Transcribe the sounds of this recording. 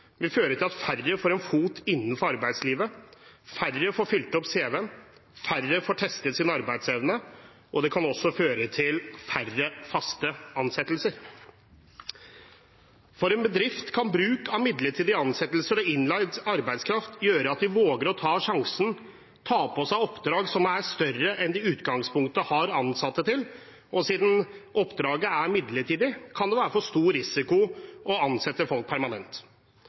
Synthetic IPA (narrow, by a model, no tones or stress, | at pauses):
ʋɪføːɾəʈʰɪlɑt̪færːəfoːɾɛnfuːt̪ʰɪnːən̩fɔɾɑɾbæɪd̪sliːʋəfærəfoːɾfʏlt̪ɔpseːʋeən | færːəfoːʈʰɛst̪ət̪sɪːnɑɾbæɪd̪sɛʋnə | ʔɔd̪ɛkʰɑnɔsːɔføːɾət̪ʰɪlfærəfɑst̪əɑnsɛt̪lsəɾ | fɔɾɛnbəd̪ɾɪft̪kʰɑnbɾʉːkʰɑmɪd̪ləʈʰiːd̪ɪɑnsɛt̪ːlsəɾɔɪnlɑɪd̪ɑɾbæɪd̪skʰɾɑft̪jøːɾəɑt̪̚d̪ɪʋoːɡəɾɔt̪ʰɑːʂɑŋsən̩ | t̪ʰɑːpʰɔsæɪɔpd̪ɾɑːɡsɔmæɾst̪œrəʔɛnd̪ɪʉːt̪ɡɑŋspʰʊŋkt̪əhɑɾɑnsɑt̪ːət̪ɪl | ɔsiːd̪n̩ʔɔpːd̪ɾɑːɡəæɾmɪd̪ləʈʰiːd̪ɪkʰɑnd̪ɛʋæːɾəfɔʂt̪uːɾɪsɪkʊɔɑnsɛt̪ːəfɔlk̚pʰæɾmɑnɛ̰nt̪